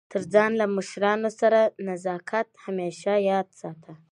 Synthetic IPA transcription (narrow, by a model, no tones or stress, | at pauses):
t̪ʰəɾd͡zɑnlaməʃɾɑnosaɾanazɑkʰat̪hameʃajɑd̪sɑt̪ʰa